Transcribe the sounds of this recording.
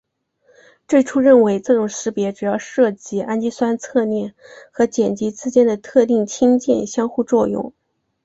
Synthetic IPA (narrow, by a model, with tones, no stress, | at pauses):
ʈ͡ʂwe˥˩ɪʈ͡ʂʰu˥ɻə˥˩nwe˧˥ɪʈ͡ʂɤ˥˩ʈ͡ʂʊ˨˩ŋʂɻ̩˧˥pjɛ˧˥ʈ͡ʂu˨˩jɑ˥˧ʊʂɤ˥˩t͡ɕi˧˥ʔa˥nt͡ɕi˥swa˥nt͡sʰɤ˥˧njɛ˥˩nxɤ˧˥t͡ɕjɛ˨˩nt͡ɕi˧˥t͡sɹ̩˥t͡ɕjɛ˥nd̪ə˨t̪ʰɤ˥˧t̪i˥˩ŋt͡ɕʰi˥ŋt͡ɕjɛ̰˥˩nɕjɑ˥ŋxu˥˧t͡swɔ˥˧jʊ̰˥˩ŋ